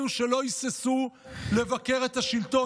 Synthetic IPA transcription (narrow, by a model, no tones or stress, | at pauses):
uʃe̞lo̞isesule̞vake̞ʁe̞t̪haʃilto̞